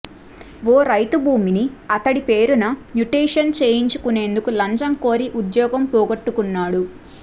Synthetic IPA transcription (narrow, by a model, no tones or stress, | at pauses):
ʋoːɾɐjt̪ubʱuːminiɐt̪ɐɽipe̞ːɾunɐmjuʈɾiːʂɐnt͡ʃe̞ːjiɲt͡ʃu̥kune̞ːnd̪ukulɐɲt͡ʃɐmko̞ːɾiʔud̪jɔːɡɐmpɔːɡɐʈːukunːaːɽu